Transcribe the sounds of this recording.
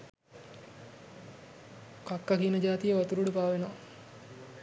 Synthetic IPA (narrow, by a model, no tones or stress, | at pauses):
kakːakinəd͡ʒaːt̪ijəʋat̪uɾuɽupaːʋenoʋa